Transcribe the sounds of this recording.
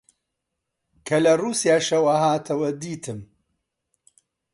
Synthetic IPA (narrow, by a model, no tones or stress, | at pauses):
kʰɐlɐruːsijaːʃɐwɐhaːt̪ʰɐwɐd̪iːt̪ʰɨm